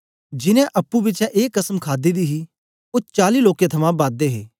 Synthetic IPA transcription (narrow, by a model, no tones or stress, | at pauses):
d͡ʒɪnɛ̃ʔɐpːubɪt͡ʃɛ̃ʔeːkːəsəmkʰaːd̪id̪iɦi | ot͡ʃaːliːloːkẽt̪ʰɐmãbãːd̪̚d̪eɦḛː